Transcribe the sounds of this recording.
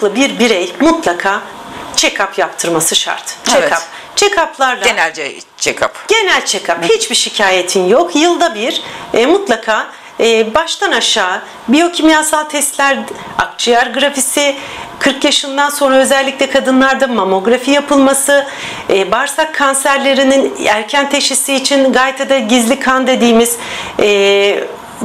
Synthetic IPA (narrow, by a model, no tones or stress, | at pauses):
klˠɯbiɾbiɾejmut̪lˠakʰaː | t͡ʃʰekʰapjapt̪ʰɯɾmasɯʃa̰ɾt̪t͡ʃekʰap̚ | t͡ʃʰekʰaplˠaɾd̪ˠenælʲd͡ʒɛ | t͡ʃʰekʰa̰pɟ̥e̞nælʲt͡ʃʰekʰaphit͡ʃbiʃicʰaːje̞t̪ʰinjo̞kjɯlˠd̪abiɾ̥mut̪lˠakʰaː | baʃt̪ʰanaʃaː | bijo̞cʰimijasalˠt̪ʰɛst̪lʲæɾ | a̰k̚t͡ʃʰɯjaɾɡɾafisikʰɯɾkjaʃɯnd̪anso̞nɾaøzɛlʲːic̚ʲlʲɛkʰad̪ɯnlˠaɾd̪amamo̞ɡɾafijapʰɯlˠmasɯ | ɛbaɾsakʰːansæɾlʲe̞ɾininæɾcʰænt̪ʰe̞ʃisiːt͡ʃʰinɡaːjt̪ʰad̪aɟizlʲikʰand̪e̞d̪iːmiz̥ɛ